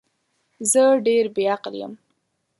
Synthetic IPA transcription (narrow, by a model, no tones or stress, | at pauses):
zəɖeɾbeaqljə̰m